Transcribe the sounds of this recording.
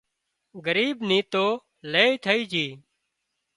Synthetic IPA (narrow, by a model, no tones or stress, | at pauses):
ɡəɾiːbnĩːt̪oː | leːit̪ʰəiːd͡ʒiː